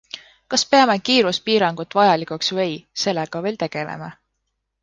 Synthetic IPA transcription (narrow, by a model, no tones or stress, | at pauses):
kɑspe̞ɑme̞kiːɾuspiːɾɑŋɡ̥ut̪ːˑvɑjɑlikuksvɤ̞jse̞lːeɡ̥ɑve̞ːlt̪e̞ɡ̥e̞̰lḛmɑ